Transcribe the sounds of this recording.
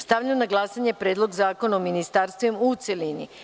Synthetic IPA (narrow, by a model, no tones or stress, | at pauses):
st̪aʋʎannaɡlˠasaɲe̞pɾe̞ːd̪lˠo̞ɡzaːko̞naominist̪aːɾst̪ʋimut̪selini